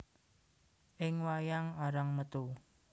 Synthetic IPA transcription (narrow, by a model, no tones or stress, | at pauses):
ʔɪŋwajaŋaɾaŋmət̪u